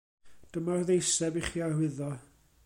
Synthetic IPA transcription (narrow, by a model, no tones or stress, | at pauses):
d̥əmarðejsɛbiχiːarwɪðɔ